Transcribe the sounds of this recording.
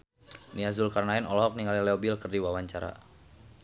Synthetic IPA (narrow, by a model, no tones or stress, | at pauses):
niazulkarnainɔlɔɦɔk̚niŋalilɛɔbilkərdiwawaɲt͡ʃaɾa̰